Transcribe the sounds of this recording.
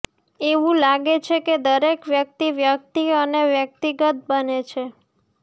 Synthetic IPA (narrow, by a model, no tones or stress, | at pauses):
eʋũlaɡet͡ʃʰeked̪əɾekʋjək̚t̪iʋjək̚t̪iəneʋjək̚t̪iɡət̪̚bənet͡ʃʰe